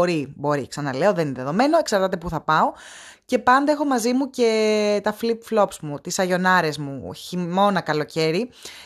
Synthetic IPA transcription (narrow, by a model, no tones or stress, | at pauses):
oɾibo̞ɾḭksɐnɐle̞oðenineðeðo̞me̞no̞e̞ksɐɾt̪ɐt̪̬e̞puθɐpɐo̞ | ce̞pɐnd̪eexo̞mɐzimuce̞t̪ɐflipflo̞psmut̪isɐʝo̞nɐɾe̞zmuçimo̞nɐkɐloce̞ɾi